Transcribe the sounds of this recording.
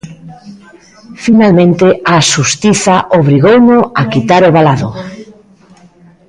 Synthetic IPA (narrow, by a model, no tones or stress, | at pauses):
finalmẽnt̪ɪaʃust̪iθaʔoβ̞ɾiɣownʊakit̪aɾoβalaðʊ